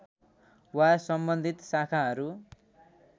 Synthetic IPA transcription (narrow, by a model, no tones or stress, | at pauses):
wasʌmbʌnd̪ʱit̪sakʰaɦʌɾu